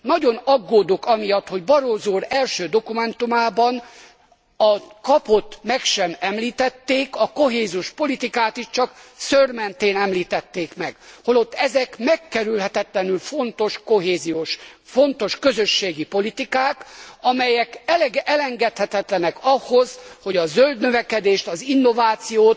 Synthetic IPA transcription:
nɒɟo̞nɒɡːoːd̪o̞kɒmijɒt̪ho̞ɟbɒɾoːzuːɾɛlʃøːd̪o̞kumɛn̪t̪umaːbɒn | ɒkɒpo̞t̪mɛkʃɛmɛmliːt̪ɛt̪ːeːkɒko̞ɦeːziuʃpo̞lit̪ikaːt̪iʃt͡ʃɒksørmɛnt̪eːnɛmliːt̪ɛt̪ːeːkmɛɡ̥holo̞t̪ːɛzɛkmɛkːɛɾylɦɛt̪ɛt̪lɛnylfo̞nt̪o̞ʃkoɦeːzijoːʃfo̞nt̪o̞ʃkøzøʃːeːɡipo̞lit̪ikaːkɒmɛjɛkɛlɛɡʔɛlɛŋɡɛt̪hɛt̪ɛt̪lɛnɛkɒhozho̞ɟɒzøld̪nøvɛkɛd̪eːʃt̪ɒzinːo̞vaːt̪sijoːt̪

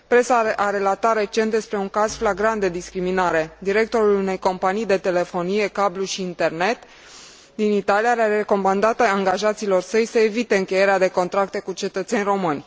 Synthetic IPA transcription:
pɾe̞saaɾe̞lat̪at̪re̞t͡ʃe̞nt̪d̪e̞spɾe̞uŋkaz̥flaɡɾant̪̚d̪e̞d̪iskɾiminaɾe̞d̪iɾe̞k̚t̪o̞ɾulune̞jko̞mpanijd̪e̞t̪e̞le̞fo̞nije̞kabluʃiːnt̪e̞rne̞t̪ | d̪init̪alijaɾaɾeko̞mand̪at̪aŋɡaʒat̪siːlo̞rsəjsəe̞vit̪e̞ɨŋkʲe̞je̞ɾead̪e̞ko̞nt̪ɾak̚t̪e̞kut͡ʃe̞t̪ət̪se̞nʲro̞mɨnʲ

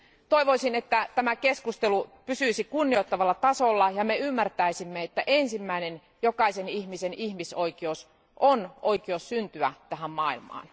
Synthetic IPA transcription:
t̪oiʋoisinet̪ːæt̪æmækeskust̪elupysyisikunːioit̪ːɑʋɑlːɑt̪ɑsolːɑjɑmeymːært̪æisimːeet̪ːæʔensimːæinen | jokɑisenihmisenihmisoikieous | ʔonoikiossynt̪yæt̪æɦæmmɑːˑilmɑ̰ːn

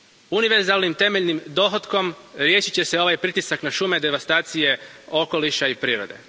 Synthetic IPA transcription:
uniʋe̞ɾzalnimt̪e̞meʎnimd̪o̞ːxo̞t̪ko̞m | ɾje̞ːʃit͡ɕe̞seo̞ʋajpɾit̪isaknaʃume̞d̪e̞ʋast̪aːt̪sije̞o̞ko̞liʃaipɾiːɾo̞̰d̪e̞̰

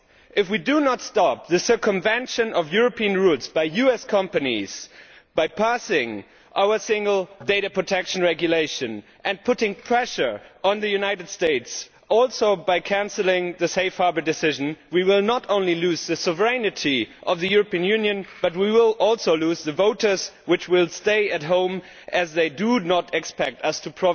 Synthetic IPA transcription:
ʔɨfwidɨnətstɑp̚ðɨsɜ˞kɨ̃mvɛ̃nʃɨ̃nʌvjʊɹɨpʰiɨ̃nɹutsb̥aɪjʉɛskʰʌ̃mpɨnḭz̥ | b̥aɪpʰæsɪ̃ŋ | ʔaʊə˞sɪ̃ŋɡl̩ˠdeɪɾɨpʰɹ̥ɨtʰɛkʃn̩ɹɛɡjɨleɪʃɨ̃n | ʔɨ̃npʰʊɾɪ̃ŋpʰɹ̥ɛʃə˞ə̃nðɨjʉnaɪɾɨd̥steɪts | ʔɔlˠsoʊbaɪkʰæ̃nsl̩ˠɪ̃ŋðɨseɪfhɑɹbə˞dɨsɪʒɨ̃nwiwɪlˠnəɾõʊ̃nliluzðɨsɔvə˞ɛnɨɾiʔʌvðɨjʊɹəpiɨ̃njʉ̃njɨ̃nb̥ʌt̬̚wiwɪlˠɔlˠsoʊluzðɨvoʊɾə˞zwɨt͡ʃwɪlˠsteɪɨt̚ɦõʊ̃m | ʔɨzðeɪdɨnəɾɨkspɛk̚tʌstʰɨpʰɹ̥ɔ

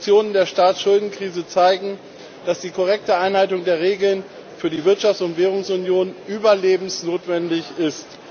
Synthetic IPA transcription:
t͡sjoːnəndeːɐʃtaːt͡sʃʊldn̩kʁ̥iːzət͡saɪɡŋ̩ | d̥asd̥iːkʰɔʁɛk̚təʔaɪnhaɪtʊŋdeːɐʁ̞eːɡl̩n | fyːɐdiːvɪɐtʃaftt͡ssʊntv̥eːʁ̞ʊŋsʊnjoːnʔyːbɐleːbm̩snoːtv̥ɛndɪçɪst

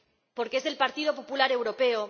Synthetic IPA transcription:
po̞ɾkee̞sðe̞lpaɾt̪ið̞o̞populaɾe̞wɾo̞pe̞o

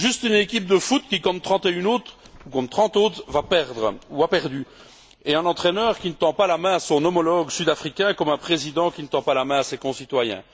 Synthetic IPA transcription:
ʒyst̪ynekʲip̚d̪əfut̪̚kʲikɔ̃t̪ːχɑ̃t̪eynot̪ | ukɔ̃t̪χɑ̃t̪ot̪vapɛʁd̪ʁəuapɛʁd̪y | eɛ̃nɑ̃t̪χɛnœːʁkʲinət̪ɑ̃palamɛ̃asɔ̃nɔmɔlɔɡsyd̪afχikʲɛ̃kɔmɛ̃pχezid̪ɑ̃kʲinət̪ɑ̃palamɛ̃asekɔ̃sit̪wajɛ̰̃

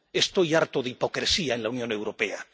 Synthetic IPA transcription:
e̞st̪o̞jaɾt̪oðeipo̞kɾesiae̞nlaunjõ̞ne̞wɾo̞pe̞a

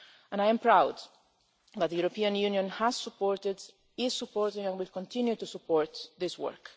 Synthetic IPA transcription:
ɛ̃najɛ̃mpɹawd̪ | ðæt̪̚ðəjuɾɔpiãnjunjɔ̃nhæz̥supɔːɹt̪ɪd | ɪz̥supɔɹt̪ɪ̃ŋɛ̃nwɪlkɔ̃nt̪ʰɪ̃njut̪usupʰɔɹt̪ðɪswɔ̰ɹk

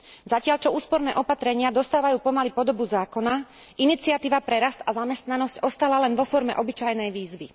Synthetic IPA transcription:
zacɪaʎt͡ʃɔuːspɔɾnɛ̰ːʔɔpat̪ɾɛɲɪad̪ɔst̪aːʋajuːpɔmalipɔd̪ɔbuzaːkɔna | init͡siat̪iːʋapɾɛɾast̪azamɛst̪nanɔscɔst̪alalɛnʋɔfɔɾmɛ̰ʔɔbit͡ʃajnɛjʋiːzʋi

